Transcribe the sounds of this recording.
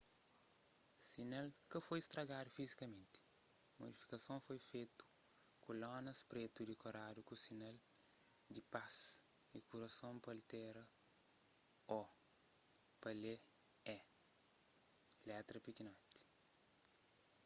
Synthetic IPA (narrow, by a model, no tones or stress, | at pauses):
sinalkɐfojist̪ɾɐɡad̪ufizikɐmẽnt̪i̥mo̰d̪ifi̥kɐsõfojfet̪u̥kolɔ̃nɐspɾet̪ud̪ikoɾad̪ukusinal | d̪ipasdikuɾɐsõmpɐlt̪ɛɾɐ | ɔ | pɐleɛ | lɛt̪ɾɐpikinɔ̃t̪i̥